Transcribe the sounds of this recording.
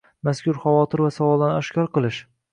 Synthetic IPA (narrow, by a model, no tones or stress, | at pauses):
maskʲʊɾχavɒt̪ʰɪɾvasavɒlˠd̪anɒʃkʲɒɾqɨlˠɪʃ